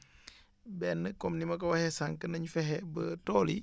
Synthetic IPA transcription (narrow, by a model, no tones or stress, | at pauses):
bɛnːəkɔmnimɐkɐwɐhɛsaŋkənɐɲfɛɦɛbətoːlḭ